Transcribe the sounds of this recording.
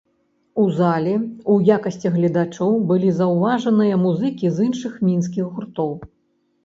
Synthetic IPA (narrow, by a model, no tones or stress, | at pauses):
uzalʲɛujakɐsʲt͡sʲiɣlʲɐd̪at͡ʂɔwbɨlʲizɐwvaʐɐnɨjɐmuzɨkʲizɨnʂɨxmʲins̬kʲiɣɣurt̪ɔw